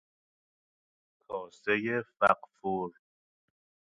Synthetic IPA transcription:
kʰɒːsejefæqfuɾ

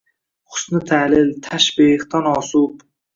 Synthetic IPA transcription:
χʊ̥snɪt̪ʰalɪlt̪ʰaʃbiqt̪ʰanɒːsʊb

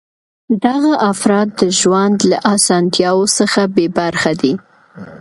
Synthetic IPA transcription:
d̪aɣaʔafɾɑt̪̚d̪əʒwand̪laʔɑsɑnt̪jɑwosəxabebaɾxad̪i

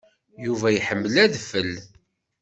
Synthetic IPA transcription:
juvæjħəmːəlæðfəl

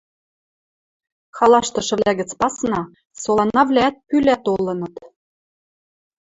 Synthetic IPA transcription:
xɑlɑʃt̪ɤ̆ʃɤ̆βlæɣɘ̆t͡spɑsnɑ | solˠɑnːɑβlʲæːt̪̚pylʲæt̪olɤ̆nɤ̆t̪

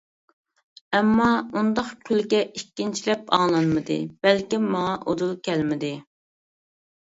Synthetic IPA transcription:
ɛmːɑund̪ɑqkʲʰylɡʲɛikʲːint͡ʃʰilɛpɑ̰ŋlˠɑnmɨd̪ɨ̰b̥ɛlkʲimːɑŋɑʔod̪ulˠkʲʰɛlmɪd̪ɪ

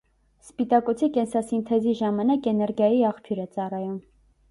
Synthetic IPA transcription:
spit̪ɑkut͡sʰikɛnsɑsint̪ʰɛziʒɑmɑnɑkɛnɛɾɡjɑjiɑχpʰjuɾɛt͡sɑrɑjum

